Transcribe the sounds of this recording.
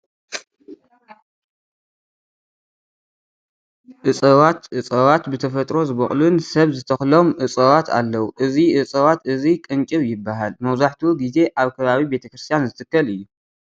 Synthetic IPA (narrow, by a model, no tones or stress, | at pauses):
ʔɨt͡sʼɐwat̪ʔɨt͡sʼɐwat̪bɨt̪ʰɐfɐt̪ʼɾo̞zɨβɐχʼlunsɐβzɨt̪ʰɐxlo̞mʔɨt͡sʼɐwat̪ʰa̰lːɐwuʔɨziʔɨt͡sʼɐβat̪ɨzikʼɨnt͡ʃʼɨβjɪbːaɦalmɐβzaħt̪ʰuɡize̞ʔaβkʰɐβaβibe̞t̪ʰɐkɾɨst̪ʰijanzɨt̪ʰɨkːɐlɨjːu